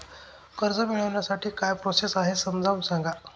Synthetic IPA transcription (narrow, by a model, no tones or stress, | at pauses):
kəɾd͡zəmiɭəʋɳjasaʈʰiːkajpɾosesaɦesəmd͡zʱaʋũsãŋɡa